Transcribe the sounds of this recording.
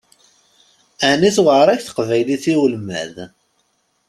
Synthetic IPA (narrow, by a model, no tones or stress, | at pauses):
æniθwəʕɾˤæçθə̥qvæjliθiwəlmæ̰ð